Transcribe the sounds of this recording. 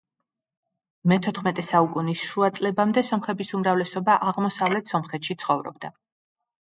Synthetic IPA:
mɛt̪ʰɔt̪ʰχmɛt̪ʼɛsaukʼunisʃuat̪sʼlɛbamd̪ɛsɔmχɛbisumɾavlɛsɔbaʔaʁmɔsavlɛt̪ʰsɔmχɛt̪ʃit̪sʰχɔvɾɔ̰bd̪a

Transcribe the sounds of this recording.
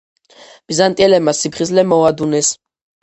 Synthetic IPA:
b̥izant̪ʼiɛlɛb̚masipʰχizlɛmɔad̪unɛs

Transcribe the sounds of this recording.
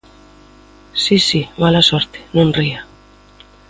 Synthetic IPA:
sisimalasoɾt̪e̥nõnria

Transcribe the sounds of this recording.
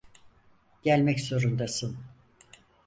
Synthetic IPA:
ɟælʲmɛczo̞ɾund̪asɯn

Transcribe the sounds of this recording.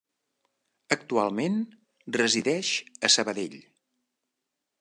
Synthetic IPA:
ək̚t̪ualˠmen | rəziðɛʃəsəβəðeʎ

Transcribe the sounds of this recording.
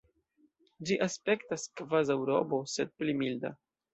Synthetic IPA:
d͡ʒiʔaspe̞ktaskvazawɾo̞̰bo̞se̞d̚plimilda̰

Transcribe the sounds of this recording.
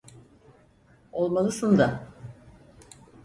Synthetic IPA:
olˠmalˠɯsund̪a

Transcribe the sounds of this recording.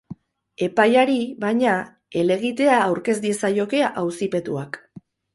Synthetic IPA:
e̞pajaɾiβajɲa | e̞le̞ɣit̪e̞aːwɾke̞zd̪iesajo̞ke̞aʔawsipe̞t̪uak

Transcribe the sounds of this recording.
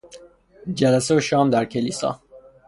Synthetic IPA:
d͡ʒælæseoʃɒːmd̪æɾkʰelisɒ̰ː

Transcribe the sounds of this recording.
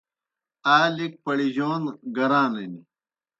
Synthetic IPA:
aːlik̚pɐɽiʑoːnɡɐɾãːnɐni

